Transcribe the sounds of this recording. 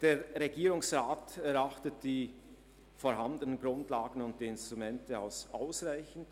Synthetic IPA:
d̥eːɾʁeɡiːɾʊŋsʁaːtɛɾaχtətd̥iː | foɾɦandənənɡʁʊndlaːɡən̩ʊnt̚d̥iːɪnstʁ̥umɛntəa̰ʊsʔaʊsʁaɪçn̩t

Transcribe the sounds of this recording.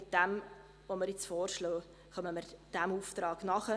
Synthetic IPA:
ɪt̚d̥æm | ʋoməɾjɪt͡sfɔːɾʃlɔː | χœməməɾd̥æmuːft̪ɾɑːɡ̥nɑχə

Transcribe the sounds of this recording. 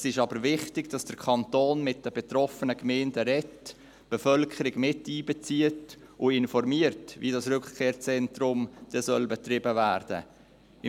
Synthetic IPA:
sɪʃɑbəɾvɪχtɪɡd̥ɑsd̥əɾkʰɑntoːnmɪt̚d̥əbɛtrɔfənəkmɛːndəɾɛt | b̥ɛfœlkʰəɾɪɡmɪtːiːbɛt͡siətʊɪnfɔrmiəɾtvḭdɑsɾʉkkʰeːɾt͡sɛntrʊmd̥ɛsœlbɛt̪rɪbəvæːɾd̥ə̰ | ɪ

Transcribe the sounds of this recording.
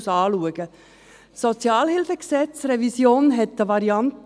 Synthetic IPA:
sɑːluəɡ̥ə | sɔt͡sjɑːlhɪlfəksɛt͡srɛvisjoːnɦɛtːəʋɑɾiɑnt

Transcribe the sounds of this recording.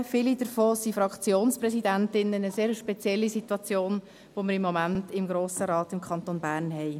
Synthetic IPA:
fɪlid̥əɾfoːsifɾɑkt͡sjoːnspɾɛsidæntɪnːənəseːɾəʃpɛt͡sjɛlːisituɑt͡sjoːn | ʋoməɾɪmːɔmæntɪmɡɾoːsəɾɑːtɪmkʰχɑntoːnbæːɾnɦɛɪ

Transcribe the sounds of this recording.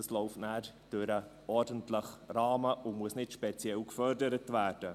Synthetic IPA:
əslɔʊftnæːɾd̥øɾə | ɔɾdəntləχɾɑːməʔʊmuəsnɪtʃpɛt͡sjɛlkfœɾdəɾətvæːɾd̥ə

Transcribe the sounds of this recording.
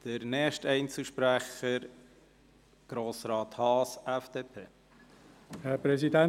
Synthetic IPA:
d̥əɾnɛːʃtɛɪnt͡səʃpɾæχəɾ | ɡ̥ɾoːsɾɑːt̪hɑːsɛfd̥eːpʰḛː | hɛpɾɛzidɛ

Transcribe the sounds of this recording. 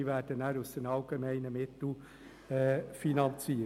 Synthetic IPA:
ivæːɾd̥ənæːɾusd̥enɑlɡ̥emɛɪnəmɪt̪l̩ | ɛːfinɑnt͡si

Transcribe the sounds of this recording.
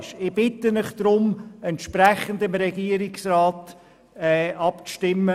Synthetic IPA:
ʃɪb̥ɪtəmɪχd̪̥ɾʊmɛntʃpɾɛχənd̪ɪmɾɛɡ̥iəɾɪksrɑːt | ɛʔɑpʃtɪmːə

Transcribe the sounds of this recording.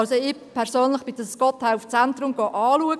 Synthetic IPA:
lsoɪpʰɛɾsøːnləχb̥ɪd̥əskɔtʰːæft͡sɛntrʊmɡ̥ɔʔɑːluəɡ

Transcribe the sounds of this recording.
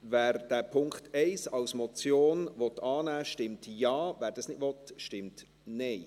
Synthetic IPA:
væːɾd̥æːpʰʊŋkχtʰɛɪsɑwsmɔt͡sjoːnvɔt̪ɑːnæːʃtɪmtjɑːvæːɾd̥ɑsnɪdvɔtʃtɪmt | nɛɪ

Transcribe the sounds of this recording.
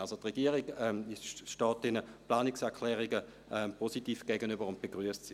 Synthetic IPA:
alsotʁɛɡ̥iːəʁiɡɛmʃtɔːt̚d̥ɛnəplaːnɪksɛɐkʰlɛːʁiɡə | ʔɛmpʰositiːfɡ̥ɛɡənybəʁʊnt̚b̥eɡ̥ʁyəstsi

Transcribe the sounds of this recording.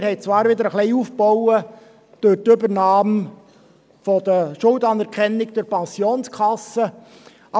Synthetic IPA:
hɛɪt͡sʋɑːɾʋɪd̪əɾəχlɛɪuːfbɔwə | d̥øɾtʏbəɾnɑːm | fɔd̪əʃʊldɑnɛɾkʰɛnːɪkd̥̪əɾpɛnsjoːnskʰχɑsːə | ʔɑ

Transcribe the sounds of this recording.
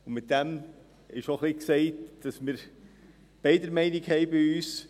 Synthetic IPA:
ʊnmɪt̚d̥ɛm | ɪʃoχliksɛɪtd̥ɑsmɪːɾ | b̥ɛɪdəɾmɛɪnɪkhɛɪbɪyːs

